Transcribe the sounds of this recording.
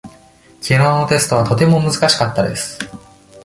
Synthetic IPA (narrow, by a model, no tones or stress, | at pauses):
kʲinoːno̞t̪e̞sɨ̥t̪o̞β̞at̪o̞t̪e̞mo̞mɯzɨkaɕi̥kat̪ːad̪e̞sɨ̥